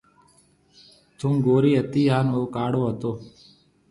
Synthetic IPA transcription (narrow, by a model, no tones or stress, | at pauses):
t̪ʰuːmɡoːɾiːɦət̪iːɦaːnoːkaːɽoːɦət̪oː